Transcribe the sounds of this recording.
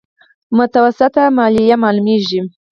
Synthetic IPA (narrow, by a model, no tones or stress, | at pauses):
mʊt̪awasɪt̪amɑlijamɑlumeʒi